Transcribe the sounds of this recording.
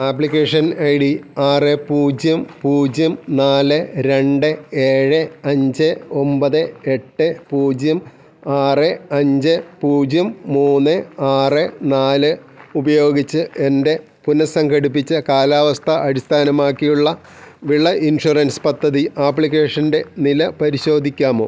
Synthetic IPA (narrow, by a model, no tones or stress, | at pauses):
aːpːɭikʲːeːʂɐnɐjɽiaːrɨpuːd͡ʑjɐmpuːd͡ʑjɐmnaːlɨɾe̞ɳɖɨe̞ːɻɨɐɲd͡ʑɨo̞mbɐðɨe̞ʈːɨpuːd͡ʑjɐm | aːrɨɐɲd͡ʑɨpuːd͡ʑjɐmːuːnːɨaːrɨnaːlɨ | ubɐjo̞ːɡit͡ɕːɨe̞nde̞ | punɐsɐŋɡɐɽip̬ːit͡ɕːɨkaːlaːʋɐst̪ʰɐʔɐɾist̪ʰaːnɐmaːkːijuɭːɐ | ʋiɭːɐʔinʂurɐnspɐd̪ʱːɐðiʔaːpːɭik̬ʲːeːʂɐnde̞nilɐpɐɾiɕo̞ːd̪ʱikʲːaːmo̰ː